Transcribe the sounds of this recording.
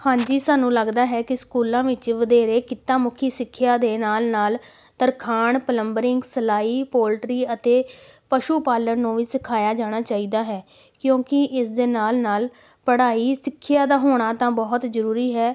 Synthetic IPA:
hãːɲd͡ʒiːsaːnũːləɡd̪aːɦɛːkɪskuːlãːʋɪt͡ʃʋəd̪eːɾeːkɪt̪ːaːmʊkʰiːsɪkʰːjaːd̪eːnaːlnaːlt̪əɾkʰaːɳpələmbəɾɪŋɡsəlaːiːpoːlʈɾiːət̪eːpəʃuːpaːləɾnũːʋiːsɪkʰaːjaːd͡ʒaːɽ̃aːt͡ʃaːiːd̪aːɦɛː | kjõːkɪʔɪsd̪eːnaːlnaːl | pəɽaːiːsɪkʰːjaːd̪aːɦoːɽ̃aːt̪ãːbɔːt̪zəɾuːɾiːɦɛː

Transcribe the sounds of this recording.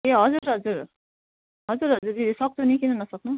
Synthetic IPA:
eɦʌd͡zuɾɦʌd͡zuɾ | ɦʌd͡zuɾɦʌd͡zuɾid̪isʌk̚t̪ʰunikinʌnʌsʌknu

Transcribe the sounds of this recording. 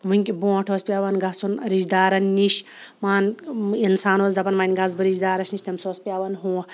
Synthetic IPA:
ʋuŋʲkʲibõːʈʰoːspʲaːʋɐnɡɐsunɾid͡ʒd̪aːɾɐnːiʃ | maːninsaːnoːzd̪ɐpɐnmɐnʲɡɐzbɨɾid͡ʒd̪aːɾɐsniʃʲt̪ɐmsoːspʲaːʋɐnɦũː

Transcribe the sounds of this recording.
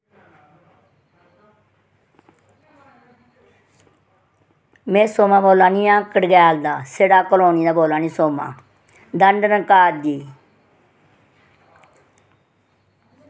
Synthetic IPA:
mẽːsoːmãːboːlaːnĩːãːkəɽɡɛːld̪aːseːɽaːkəloːniːd̪aːboːlaːniːsoːmã̰ː | d̪əɳɖənəkaːɾd̪iː

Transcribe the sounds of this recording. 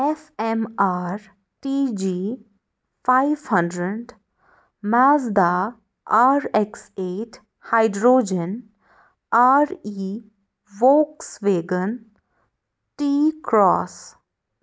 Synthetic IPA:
efemaːɾ | ʈid͡ʒiː | faɪʋhʌ̃ɳɖɾəɳɖ | maːzd̪a | aːɾekseːʈ | haɪɖɾoːd͡ʒən | aːɾiː | ʋoːksʋeːɡən | ʈiːkɾɔːs

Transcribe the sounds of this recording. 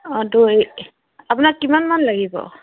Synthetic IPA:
ɔdu | apʊnakːimanmanlaɡibɔ̰

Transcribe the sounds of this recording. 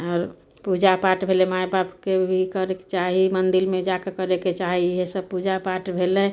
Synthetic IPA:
ɔːɾ | pud͡ʒapaʈbʱelemajbapkebʱikəɾekt͡ʃaɦimənd̪ilmẽd͡ʒakekəɾeket͡ʃaɦiɦesəb̚pud͡ʒapaːʈbʱele

